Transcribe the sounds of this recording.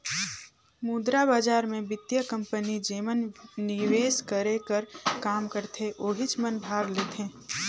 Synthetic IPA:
muːd̪ɾabaːd͡ʒaːɾmẽbɪt̪jəkɐ̃mpənid͡ʒeːmənːɪʋeːskəɾekəɾkaːmkəɾt̪ʰeʔoːɦɪt͡ʃmənbʱaːɡleːt̪ʰẽː

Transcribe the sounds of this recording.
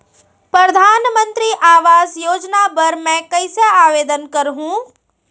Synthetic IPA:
pɾɐd̪ʱaːnmə̃nt̪ɾiʔaːʋaːzjoːd͡ʒnapɐɾmɛ̃kɐɪseaːʋeːd̪ənkɐɾɦũː

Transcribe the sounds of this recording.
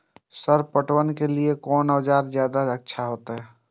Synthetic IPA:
səɾpəʈwənkeliekɔːnɔːd͡ʒaːɾzjaːd̪aəkːʃʰaɦoːt̪ɦɛː

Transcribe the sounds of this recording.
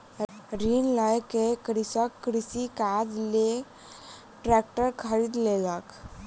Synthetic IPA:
ɾinlajkekɾisəkːɾisikad͡zle | ʈɾɛk̚ʈəɾkʰəɾiːd̪lelak

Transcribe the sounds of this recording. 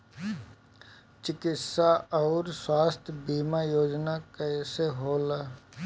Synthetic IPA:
t͡ʃɪkɪtsaɔːɾswaːst̪ʰjbiːmajoːd͡ʒnakəseɦoːlaː

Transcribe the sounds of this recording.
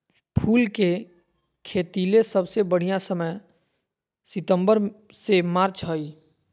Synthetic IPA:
pʰuːlke | kʰeːt̪ilesəbsebəɽ̤ijasəməj | sɪt̪ə̃mbəɾ | semaːɾt͡ʃɦoi

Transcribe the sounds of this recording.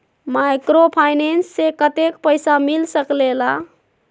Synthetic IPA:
majkɾopʰajnensːekət̪ekpəjsamilsəklela

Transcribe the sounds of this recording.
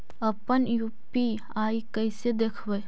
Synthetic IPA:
əpənjupi | aikəjsed̪ekʰʋəj

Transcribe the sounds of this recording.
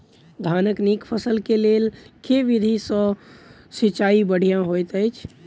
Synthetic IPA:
d̪ʱaːnəknikpʰəsəlkelelkeʋid̪ʱisɔ̃ | sit͡ʃaibəɽ̤ijãɦojt̪əjt͡ʃʰ

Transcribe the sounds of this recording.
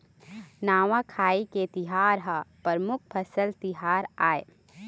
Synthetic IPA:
naːʋakʰaːiket̪ɪɦaːɾɦapəɾmʊk̚ʰpʰɐsəlt̪ɪɦaːɾaːḛ

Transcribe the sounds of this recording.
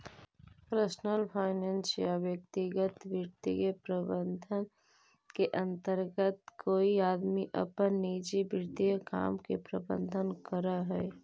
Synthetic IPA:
pɾəsnəlpʰaːɪneːnsjawjək̚t̪iɡət̪ʋjəɾt̪ḭjəpɾəbənd̪ʱən | keʔə̃nt̪əɾɡət̪kʰoːiaːd̪miʔə̰pənːiːd͡ʒibəɾt̪ijəka̰ːmkḛpɾəbə̰̃nd̪ʱənkəɾaɦɛː

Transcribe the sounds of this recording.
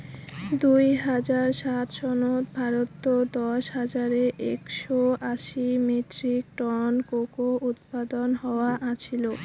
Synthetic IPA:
d̪ujɦad͡ʑaɾʃat̪ʃɔnoɾbʱaɾot̪ːod̪ɔʃɦad͡ʑaɾeʔekʃoaʃimiʈɾik̚ʈɔnkokoʔut̪pad̪onɦɔoaʔat͡ɕʰilo

